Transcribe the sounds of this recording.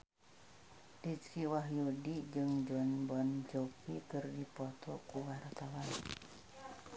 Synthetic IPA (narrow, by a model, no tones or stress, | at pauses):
dit͡ʃkiwaɦjudid͡ʒɨŋd͡ʒɔnbɔnt͡ʃopikɨrdipɔt̪ɔkuwart̪awan